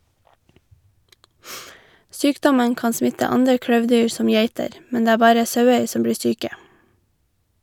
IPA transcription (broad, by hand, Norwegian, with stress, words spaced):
ˈsyːkdɔmən ˈkɑːn ˈsmɪtə ˈɑndɹə ˈkɽøːʋˌdyːɹ ˈsɔm ˈjæɪtəɾ ˈmɛn ˈdeː ˈæː ˈbɑːɾə ˈsɑʉəɹ ˈsɔm ˈbɽiː ˈsyːkə